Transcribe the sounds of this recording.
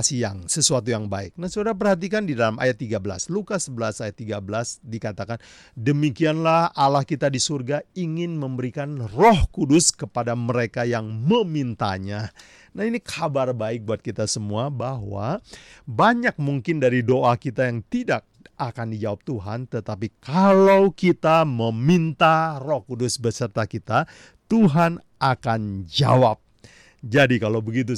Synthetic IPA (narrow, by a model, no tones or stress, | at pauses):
sijaŋsəsuat̪̬ujaŋbaɪk̚nahsodaɾap̬ərɦat̪̬ikandidalamʔa̰jat̪ːiɡabəla̰slukasəbəlasajat̪ːiɡabəlasdikat̪akan | dəmikianlahalahkit̪adisurɡaiŋɪnməmbəɾikanrɔhkudʊskəpadaməɾekajaŋməmint̪a̰ɲa | nahinikʰabarbaɪk̚buat̪̚kit̪asəmuabaɦwa̰baɲak̚muŋkɪndaɾidoʔakit̪ajaŋt̪idak̚ʔakandid͡ʒawap̚t̪uɦa̰nt̪ət̪apikalawkit̪aməmint̪arɔhkudʊsbəsərt̪akit̪a | t̪uɦan | ʔakand͡ʒa̰wap̚ | d͡ʒadikalowbəɡit̪̬u